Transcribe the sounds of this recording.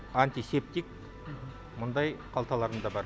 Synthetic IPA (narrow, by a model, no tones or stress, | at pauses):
anʲt̪ʲisep̚t̪ik | mʊnd̪ɑjqʰɑlˠt̪ɑlˠɑɾənd̪ɑbɑɾ